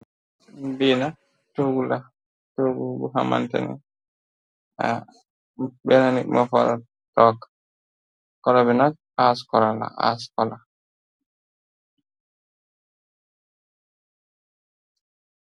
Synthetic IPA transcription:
bina | toɡula | toɡuɡuɦa̰ma̰nta̰nḭ | a | bɛnanimafɔ̰ɾa | tɔkːḁ | kɔlabɛnak̚ | askɔlala̰a̰skɔla

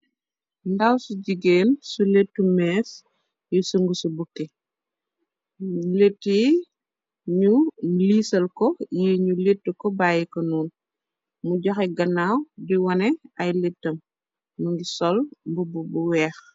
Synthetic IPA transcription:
ndawsuɟiɡeːnsuletːumɛːs | jisuŋɡusubukːi | letːi | ɲuliːsɐlkɔjiːɲuletːukɔbaːjikɐnuːn | muɟɔxɛɡɐnːaːwdiwɐnɛɐjletːɐm | nuŋɡisɔlbububuwɛːx

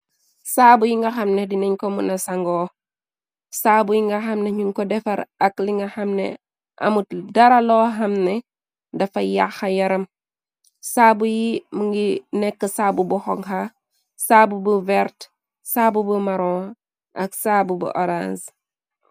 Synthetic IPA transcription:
saːbujiŋɡɐxɐmnɛdinɐɲkɔmunɐsɐŋɡɔː | saːbujiŋɡɐxɐmnɛɲuŋkɔdɛfɐɾɐkliŋɡɐxɐmnɛ̰ | ʔɐ̰mudɐɾɐlɔːɦɐmnɛ | dɐfɐja̰xɐjɐɾɐm | saːbujimuŋɡinɛkːəsaːbubuxɔŋxɐ | saːbubuvɛrt | saːbubumɐɾɔː | ʔɐksaːbubṵʔɔɾa̰s

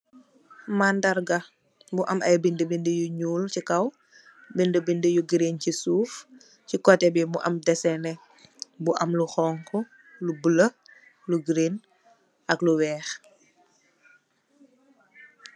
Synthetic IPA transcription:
mandɐɾɡɐ | buʔɐmɐjbindəbindəjuɲuːlcikɐw | bindəbindəjuɡɾencisuːf | cikɔtɛbimuʔɐ̰mdɛsɛnɛ | buʔɐmluxɔːŋkʰɔ | lubələ | luɡɾeːn | ʔɐkluwɛːx

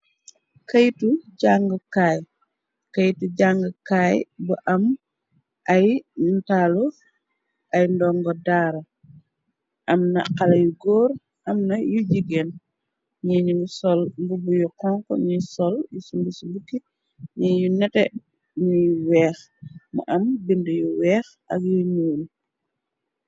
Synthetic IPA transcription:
kɐjtuɟaŋɡəkaːj | kɐjtuɟaŋɡəkajbuʔɐm | ʔɐjntalu | ʔɐjndɔŋɡɔdaːɾɐ | ʔɐmnɐqalɐjuɡɔːɾ | ʔɐmnɐjuɟiɡen | ɲiɲusɔlmbubujukɔŋkɔ̰ɲisɔljusumbisubukːi | ɲijunɛtɛ | ɲujwɛːx | mṵʔɐmbindujuwɛːxʔɐ̰kjuɲuːl

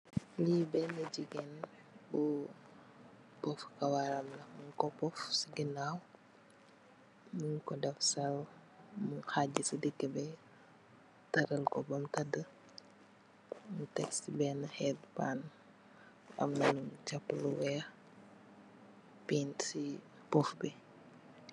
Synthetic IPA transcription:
libɛnəd͡ʒiɡɛn | bu | pɔfkɐwaɾɐmnɐmuɲkɔpɔfsiɡinaːw | muɲkɔdɐfsɐw | muŋxaɟisidikːəbɛ | tɐɾəlkɔbɐmtɐdə | mutɛksibɛnɐxɛːt̚paːn | ɐ̰mnɐnumt͡ʃɐpːluwɛx | piːnsi | pɔfbɛ

